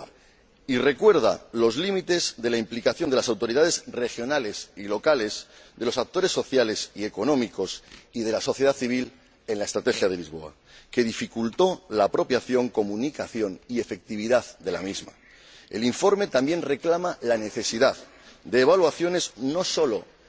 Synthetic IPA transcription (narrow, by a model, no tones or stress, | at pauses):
ire̞kwe̞ɾð̞a̰lo̞zlimit̪e̞zðe̞laimplikaθjo̞nd̪e̞lasawt̪oɾiðað̞e̞zre̞xjo̞nale̞silo̞kale̞zðe̞lo̞sak̚t̪o̞ɾe̞sːo̞θjale̞sie̞ko̞nõ̞miko̞siðe̞laso̞θje̞ð̞aθiβ̞il | e̞nlae̞st̪ɾat̪e̞xjað̞elizβo̞̰a̰ | ke̞ð̞ifikult̪o̞lapɾo̞pjaθjo̞ŋko̞mũnikaθjo̞nie̞fe̞k̚t̪iβiðaðd̪e̞la̰mizma̰ | e̞̰liɱfo̞ɾme̞t̪ambje̞nre̞klamalane̞θe̞siðað | d̪e̞ːβ̞alwaθjo̞ne̞zno̞so̞lo̞